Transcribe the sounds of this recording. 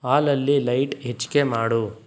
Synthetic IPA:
aːlɐlːilɐjʈet͡ʃːi̥kemaːɽu

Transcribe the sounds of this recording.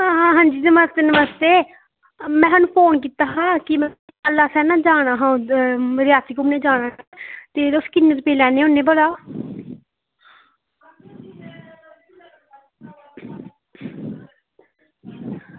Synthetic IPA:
ɦãːɦãːɦãːɲd͡ʒiːnəməst̪eːnəməst̪eː | mɛ̃ːɦənũːpʰoːnk̬iːt̪aːɦãːkɪm | əlːaːsɛːnãːd͡ʒaːɽ̃aːɦãːɾjaːsiːkʊmnẽːd͡ʒaːɽ̃aːt̪eːʊskɪnːət̪peːlɛ̃ːneːʊnːeːbolaː

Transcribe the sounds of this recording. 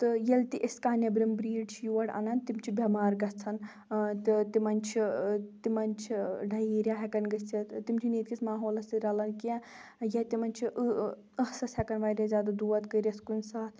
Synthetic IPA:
t̪ɨjelt̪iʔeskaːnʲɐbɾimbɾiːɖt͡ʃʰijuʋɐɽa̰nɐnt̪imt͡ʃʰibʲɐmaːɾɡɐt͡sʰɐn | t̪ɨt̪imɐnʲt͡ʃʰit̪imɐnt͡ʃʰiɖɐjiːɾjaːɦɐkɐnɡɐt͡sʰit̪t̪imt͡ʃʰiniːt̪̚kismaːɦoːlɐsiɾɐlɐnka | jɐt̪imɐnʲt͡ʃʰiʔ | ɐhsɐshʲɐkɐnʋaːɾʲɐzʲjaːd̪ad̪uːɐt̪kəɾʲɐskunsaːt̪ʰ

